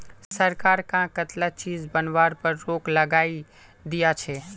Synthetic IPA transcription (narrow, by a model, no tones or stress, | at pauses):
səɾkaːɾkãkət̪lat͡ʃiːzbənʋaːɾpəɾːoːkləɡaːi | d̪ijat͡ʃʰɛː